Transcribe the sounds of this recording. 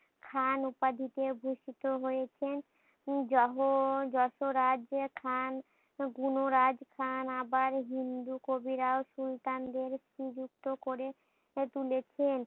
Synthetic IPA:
kʰanupad̪ʱit̪ebʱuʃit̪oɦojet͡ɕʰen | ɔɦod͡ʒɔʃoɾad͡ʑkʰan | ɡunoɾad͡ʑkʰanabaɾɦind̪ukobiɾaoʃult̪and̪eɾsid͡ʑuk̚t̪okoɾe | t̪ulet͡ɕʰen

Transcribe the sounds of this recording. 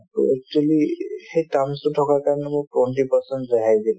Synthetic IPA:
ɛk̚tualixejtamsutʰɔkaɹkaɹɔnɛmʊtwenʈipɔɹsɛntzaɦajd̪il

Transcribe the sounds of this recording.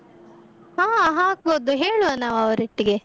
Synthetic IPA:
hãːɦãːk̚boːd̪uɦeːɭuɐnːaʋɐʋɐɾiʈːiɡe

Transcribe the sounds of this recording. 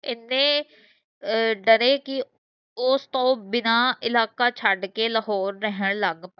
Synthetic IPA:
ɪnːẽː | ɖəɾeːkɪ | ʊst̪õːbɪnaːɪlaːkaːt͡ʃʰəɖkeːləɦɔːɾːəɦəɳ̃ləɡ

